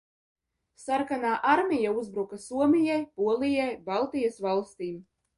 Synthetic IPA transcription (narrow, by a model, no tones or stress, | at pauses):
saɾkanaːʔaɾmʲijauzbɾukasuɔmʲijajpuɔlˠijajbalˠt̪ijasvalˠst̪iːm